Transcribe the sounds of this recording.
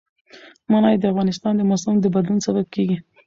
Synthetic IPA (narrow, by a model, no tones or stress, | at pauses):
mɑnɑjd̪əafɣɑnɪs̬t̪ɑnd̪əmosʊmd̪əbad̪lunsabab̚keɡi